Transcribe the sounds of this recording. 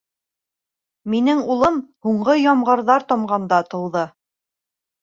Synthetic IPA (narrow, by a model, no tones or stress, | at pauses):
minɘŋulˠɤmhuɴɢɤjɒmʁɤ̆ɾðɑɾt̪ɒmɢɑnd̪ɑt̪ɤ̆lˠðɤ